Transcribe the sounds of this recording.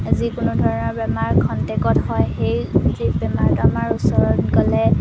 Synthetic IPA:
azikʊnʊdʱɔɹɔnɔɹbɛmaɹkʰɔntekɔtɦɔjxejzibɛmaɹtʊamaɹusɔɹɔnkɔlɛ

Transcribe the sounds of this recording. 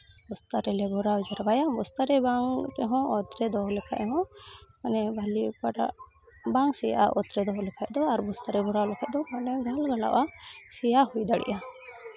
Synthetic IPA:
bɔst̪aɾɛlɛbɔɾawd͡ʒaɾabajambɔst̪aɾɛbaŋɾɛɦɔ̃ɔt̪ɾɛd̪ɔɦɔlɛkʰaʔɛɦɔ̃manɛbʱalipaʈa̰ʔ | baŋsɛja̰ʔɔt̪ɾɛd̪ɔɦɔlɛkʰaʔd̪ɔaɾbɔst̪aɾɛbɔɾawlɛkʰaʔ̚d̪ɔmanɛɡʱalɡala̰wʔasɛjahujd̪aɽɛ̰ʔa

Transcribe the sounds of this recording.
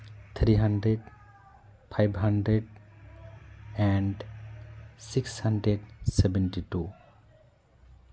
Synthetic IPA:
t̪ʰɾiɦãɳɖɾeɖ | pʰajbʱɦãɳɖɾeɖ | ɛ̃ɳɖ | sikshãɳɖɾeɖsɛbɛ̃nʈiʈu

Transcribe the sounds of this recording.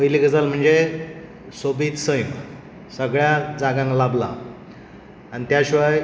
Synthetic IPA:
əjliɡəd͡zalm̤əɳd͡ze | sobiːt̪səjm | səɡɭjad͡zaɡãŋklabla̰ | anit̪jaɕiʋaj

